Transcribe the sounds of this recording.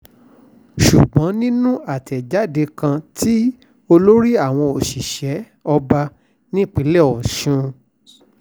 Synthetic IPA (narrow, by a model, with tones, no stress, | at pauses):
ʃu˨ɡ͡bɔ̃˨˦nĩ˦nũ˦a˨tɛ˨d͡ʒa˨˦de˧kã˧tʰi˦ | o˧lo˦ɾi˦a˦˨w̃ɔ̃˧o˨ʃi˨ʃɛ˨˦ | ɔ˧ba˧ | nĩ˦k͡pi˨˦lɛ˦˨ɔ˨ʃũ˧